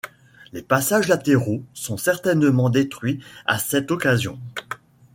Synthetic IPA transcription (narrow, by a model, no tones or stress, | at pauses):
lepasaʒlat̪eʁosɔ̃sɛʁt̪ɛnəmɑ̃d̪et̪χɥia̰sɛt̪ɔkazjɔ̰̃